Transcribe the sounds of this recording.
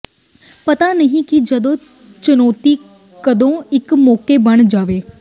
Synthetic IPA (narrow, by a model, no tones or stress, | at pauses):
pɐt̪anɐɦĩkid͡ʒɐd̪õː | t͡ʃʊnɔːt̪i | kɐd̪õɪkmɔːkebɐɽ̃d͡ʒaːʋeː